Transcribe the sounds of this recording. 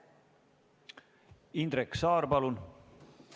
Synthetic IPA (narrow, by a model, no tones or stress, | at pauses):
ind̪ɾeksɑːrpɑlun